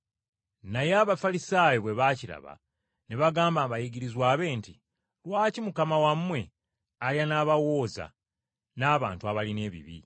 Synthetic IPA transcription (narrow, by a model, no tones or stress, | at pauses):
najeaβafalisaːjoβwe̞βaciɾa̰βa̰ | neβaɡaːmbaβajiɡiɾizwaːβe̞ːnti | lwaːcimukamawamːwe̞ | aljanaβawo̞ːza̰ | naːβaːntuaβaline̞ːβḭβḭ